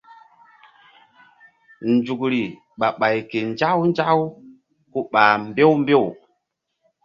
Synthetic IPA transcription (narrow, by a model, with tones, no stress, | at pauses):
nd͡ʒu˨kɾi˨ | ɓa˨ɓa˨jke˨nd͡ʒa˦wn˦d͡ʒa˦w | ku˦ɓa˨m˦be˦wm˦be˦˨w